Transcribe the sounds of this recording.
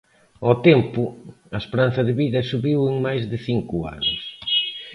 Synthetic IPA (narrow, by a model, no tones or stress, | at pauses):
ɔt̪ɛmpʊ | ɐespeɾanθɐðɪβiðɐsuβiweŋmajzðɪθiŋkʊa̰nʊ̰s